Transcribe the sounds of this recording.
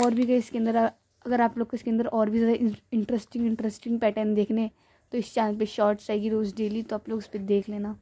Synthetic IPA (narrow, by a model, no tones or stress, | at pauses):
ɔːɾbʱiɡɐɪskeə̃nd̪əɾ | ɐɡəɾaːploːɡkɪskeɐ̃nd̪əɾɔːɾbʱizaːd̪aʔɪɪ̃ɳʈɾəsʈɪ̃ŋɡɪ̃ɳʈɾɛsʈɪ̃ŋɡpɛːʈənd̪eːkʰne | t̪oɪst͡ʃãːspeʃɔːɾʈt͡ʃaːeɡiɾoːzɖeːlit̪oaːploːɡʊsped̪eːkʰleːnaː